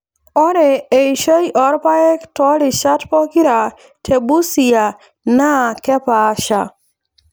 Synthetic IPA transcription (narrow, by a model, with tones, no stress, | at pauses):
ɔ˦ɾe˨e˨i˨ʃə˦jʔɔ˨˦ɾpa˦ɛ˦ktɔ˦li˨ʃa˦tpɔ˦ki˦ɾa˨ | tʰe˨bu˦si˨ja˨ | na˦˨kɛ˦pa˨˦ʃa˨